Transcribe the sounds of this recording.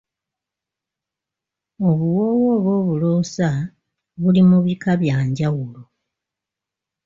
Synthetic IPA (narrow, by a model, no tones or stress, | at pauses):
o̞βuwo̞ːwo̞ːβo̞ːβuloːsa | βulimuβikaβjaːɲɟawulo